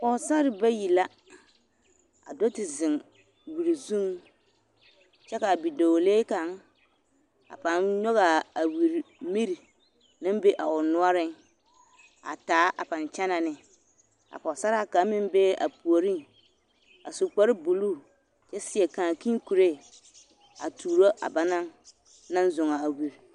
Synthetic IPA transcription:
pɔ˨sa˦ɾɪ˨ba˦ji˨la˦ | a̰˨do˦tɪ˨zɪ̃˨ŋ | wi˨ɾi˨zũ˦ŋ | t͡ʃɛ˦ka˨bi˨do˨leː˦ka˨ŋ | a̰˨pa˨nɲɔ˦ɣa˨a˨wi˨ɾi˨mi˦ɾi˨ | nɪ̃˦m˦be˦ʔa˨ʊ˨nʊ˦ɔ˦ɾɪ˦ŋ | a̰˨taː˨˦ʔa̰˨pa˨nt͡ʃɛ˦na˨nɪ˨ | a̰˨pɔ˨sa˦ɾa˦ka˨˦mɪ˦m˦be˦a̰˨pu˨o˨ɾi˦ŋ | a˨su˨k͡pɔ˦ɾɪ˦bu˨lu˦˨ | t͡ʃɛ˦sɪ˨˦ɛ˨ka˨ŋ˨ki˦ŋ˦ku˨ɾe˦˨ | a˨tʰuː˨ɾo˦ʔa̰˨ba˦na˦ŋ | na˦n˦zʊ˨ŋa˨a˨wi˨ɾ

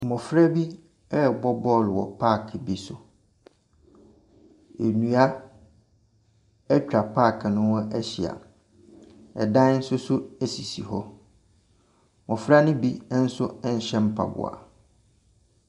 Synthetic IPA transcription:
mɔ̃˨fɾa˦bi˦ | ɛ˦˨bɔ˦bɔ˦˨lwɔ̰˨pʰa˦˨kʰɪ˨bi˦sʊ˨ | e˨nũ˨a˦ | ɛ˦t͡ɕᶣa˨pʰaː˦˨kʰɪ˨nʊ̃˦wɔ̃˦ʔæ˦ɕi˨a̰˨ | ɛ̰˨dã˦n̩˦sʊ˦sʊ˦æ˦si˨si˨ɦɔ˦ | mɔ̃˨fɾa˦nʊ̃˦bi˦n̩˦sʊ˦ɛ˦ɲ̩˨ɕɛ̃˦m̩˦pʰa̰˨bʊ̰˨a̰˨

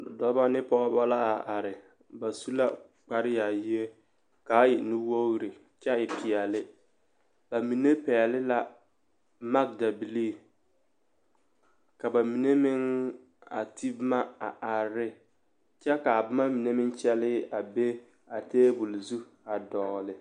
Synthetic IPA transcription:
dɔ˨ba˦nɪ˦pɔ˦ɣɔ˦ba˦la˦a˨ʔa˨ɾɪ˨ | ba˨su˦la˦ | k͡pa˨ɾɪ˦ja˨ji˦e˦ | kaː˨˦jɪ˨nu˦wo˦ɣɾɪ˨ | t͡ʃɛ˦ɪ˨pɪ˨ɛ˨lɪ˦ | b̥a˨mi˨ne˦pɛ˨ɛ˨lɪ˦la˦ | ma˦k̚da˨bi˨liː˦˨ | ka˨ba˨mi˨ne˦mɪ˦ŋ | a̰˨tʰi˦bma˦a̰˨ʔa˨ɾɪ˦ | t͡ʃɛ˦ka˨bʊ˦ma˦mi˨ne˦mɪ˦ŋt͡ʃɛ˦lɪ˦a˨be˦ | a˨teː˦bu˨lzu˦ | a˨dɔ˨lɪ˨

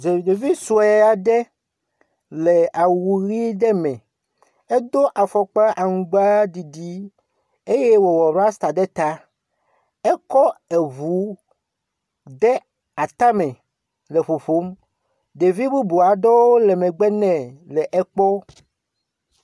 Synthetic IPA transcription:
ze˨de˨vi˦su˨e˦˨a˨ɖɛ˦ | le˨a˨wu˨ɣi˦ɖɛ˦mɛ̃˨ | e˦d̪o˦ʔa˨fɔ˨k͡pa˦ʔa˨ŋũ˨ɡ͡ba˦di˨ɖi˦ | e˦jɛ˦wɔ˨wɔ˨ɾa˦st̪a˨ɖɛ˦t̪a˦ | ɛ˦kɔ˦ɛ˨vu˦ | ɖɛ˦ | a˨t̪a˦mɛ̃˨ | le˨ɸo˨ɸo˦m | d̪e˨vi˦bu˦bu˨a˨ɖɔ˦wo˦lɛ˨mɛ̃˨ɡ͡bɛ˦nɛ̃˨lɛ˨ʔɛ˦k͡pɔ˦

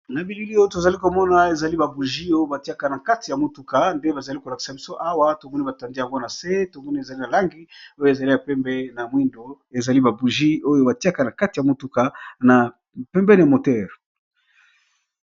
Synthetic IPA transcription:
na˨bi˨li˦li˦o˦jo˦to˨za˨li˦ko˨mɔ˦na˨e˨za˨li˦ba˨bu˨ʒi˦o˦jo˦ba˨ti˦a˦ka˨na˨ka˦ti˨ja˨mo˨tu˨ka˨nde˦ba˨za˨li˦ko˨la˨ki̥˨sa˨bi˦so˦ʔa˦wa˦to˨ɡu˦ni˦ba˨ta˨ndi˦ja˨ŋɡo˦na˨se˦to˨ŋɡu˦ni˦e˨za˨li˦na˨la˦ŋɡi˦o˦jo˦e˨za˨li˦na˨pɛ˦mbɛ˦na˨mwi˦ndo˨ | e˨za˨li˦ba˨bu˨ʒi˦o˦jo˦ba˨ti˦a˦ka˨na˨ka˦ti˨ja˨mo˨tu˨ka˨na˨ | pɛ˦mbɛ˦n˨mo˨tɛ˦˨ʁ

